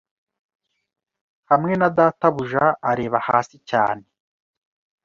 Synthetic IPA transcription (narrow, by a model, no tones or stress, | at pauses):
hamŋe̞nadaːtaβuʒaaɾe̞ːβaha̰ːsica̰ːne